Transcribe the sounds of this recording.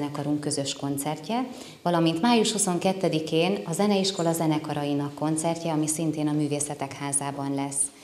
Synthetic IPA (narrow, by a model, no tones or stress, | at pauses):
nɛkɒɾuŋkːø̞zø̞ʃko̞nt̪sɛrcɛ | vɒlɒmint̪maːjuʃhuso̞ŋkɛt̪ːɛd̪ikeːnɒzɛnɛiʃko̞lɒzɛnɛkɒɾɒjinɒkːo̞nt̪sɛrcɛɒmisint̪eːnɒmyːveːsɛt̪ɛkhaːzaːbɒnlɛsː